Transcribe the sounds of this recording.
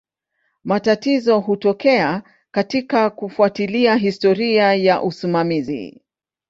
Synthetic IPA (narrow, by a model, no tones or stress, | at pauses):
matatizɔɦutɔkɛa | katikakufuatiliaɦistɔɾiajaʔusimamizḭ